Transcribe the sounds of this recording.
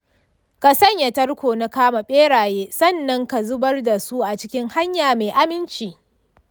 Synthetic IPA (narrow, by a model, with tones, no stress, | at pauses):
ka˨sɐ˦ɲja˨tɐ˦rkʷoː˨na˦kaː˦ma˨ɓeː˦ɽaː˨jeː˦sɐ˦˨nːɐ˦ŋka˨zʊ˦bɐ˦rda˨su˦ʔa˨t͡ʃɪ˦kʲɪ˦ŋha˦ɲjaː˨meː˨ʔa˦mɪ˦nt͡ʃiː˨